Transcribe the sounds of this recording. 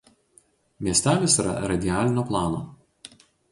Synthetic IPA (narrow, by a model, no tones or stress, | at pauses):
mʲiɛsʲt̪ʲæːʋʲesiːɾɐ̰ɾɐd̪ʲɪaːlʲɪnʲoːplˠɑːno̰ː